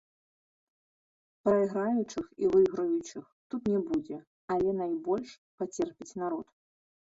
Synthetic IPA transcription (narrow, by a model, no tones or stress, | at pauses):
pɾɐiɣɾajut͡ʂɨxivɨɣɾɐjut͡ʂɨxt̪ut̪nʲɛbud͡zʲɛ | alʲɛnajbɔlʲʂ | pat͡sʲɛrpʲit͡sʲnaɾɔt̪